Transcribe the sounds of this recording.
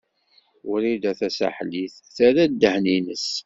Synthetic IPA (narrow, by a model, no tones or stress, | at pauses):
ʊɾid̪æθæsa̰ħliθ | θæɾæd̪ːəħninəs